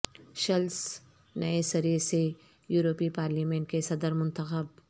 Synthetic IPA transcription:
ʃɐls | nɐesɐɾise | juːɾoːpipaːɾliːmẽɳʈ̚kesɐd̪əɾmʊ̃nt̪əxəb

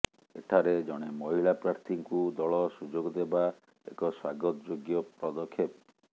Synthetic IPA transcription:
ḛʈʰaɾed͡ʒɔɽ̃emɔɦilapɾaɾt̪ʰiŋkud̪ɔɭɔsud͡ʒoɡɔd̪eba | ḛkɔswaɡɔt̪ɔd͡ʒoɡjɔpɾɔd̪ɔkʰːep

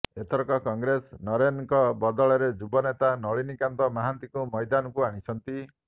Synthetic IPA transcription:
et̪ʰɔɾɔkɔkɔŋɡɾesnɔɾenŋkɔbɔd̪ɔɭɔɾed͡ʒubɔnet̪anɔɭinikant̪ɔmaɦant̪ikumɔjd̪anɔkuaɽ̃it͡ʃʰɔnt̪i

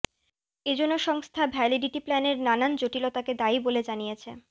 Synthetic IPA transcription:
ed͡ʑonːoʃɔŋst̪ʰabʱɛliɖiʈiplɛneɾnanand͡ʑoʈilot̪aked̪aiboled͡ʑanijet͡ɕʰe

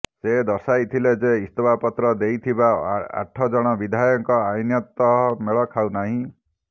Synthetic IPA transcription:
sed̪ɔsajt̪ʰiled͡ʒeist̪ɔbapɔt̪ɾɔd̪ejt̪ʰibaa̰ʈʰːɔd͡ʒɔɽ̃ɔbid̪ʱajɔŋkɔajnjɔt̪ɔɦɔmeɭɔkʰawnaɦĩ

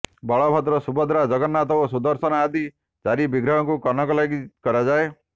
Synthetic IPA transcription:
bɔɭɔbʱat̪ɾɔsubɔd̪ɾad͡ʒɔɡɔnːat̪ɔosud̪ɔɾsɔnaːd̪i | t͡ʃaɾibiɡɾɔɦɔkukɔnɔkɔlaɡikɔɾad͡ʒae

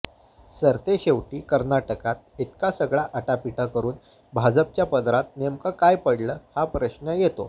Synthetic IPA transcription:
səɾt̪eɕeʋʈiːkəɾnaʈəkat̪̚it̪kasəɡɭaʔəʈapiʈəkəɾuːn | bʱad͡zəp̚t͡ɕjapəd̪ɾat̪̚nemkəkajpəɽləːhapɾəɕnəjet̪o

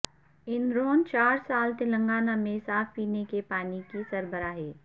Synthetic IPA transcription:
ɪnɾoːnt͡ʃaːɾsaːlt̪ɪlə̃ŋɡaːnamẽsaːfʰpiːnekepaːnikisɐɾbəɾaːɦɛː

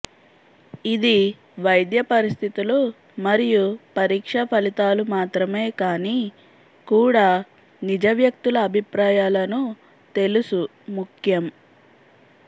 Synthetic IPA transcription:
id̪i | ʋɐjd̪jɐpɐɾist̪ʰit̪ulu | mɐɾijupɐɾiːkʂɐpʰɐlit̪aːlumaːt̪ɾɐme̞ːkaːniː | kuːɽaː | nid͡ʒɐʋjɐk̚t̪ulɐːbʱipɾaːjaːlɐnu | t̪e̞lusu | mukʰjɐm

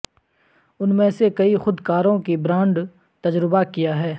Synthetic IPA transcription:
ʊnmẽsekɐixʊd̪kaːɾõkibɾãːɳɖ | t̪ɐd͡ʒɾɪbakijaɦɛː

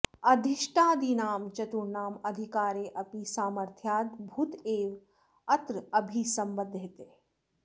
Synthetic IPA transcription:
ɐd̪ʱiʃʈaːd̪inaːmt͡ʃɐt̪uɾnaːmɐd̪ʱikaːɾeːʔɐpisaːməɾt̪ʰjaːd̪bʱuːt̪eːʋ | ɐt̪ɾəɐbʱisɐ̃mbəd̪ʱɦet̪e

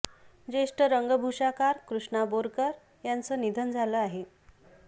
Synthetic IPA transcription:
d͡ʑeʂʈəɾəŋɡəbʱuʂakaɾkɾuʂɳaboɾkəɾ | jant͡səːnid̪ʱənd͡zʱaləːaɦe

